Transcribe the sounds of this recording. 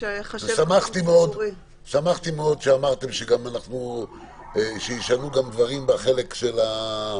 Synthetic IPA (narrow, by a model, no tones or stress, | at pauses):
samaχt̪imeod̪ | samaχt̪imeo̞d̪ʃeamaʁt̪e̞mʃeɡamanaχnu | ʃejiʃanuɡamd̪vaʁimbaχe̞le̞kʃe̞la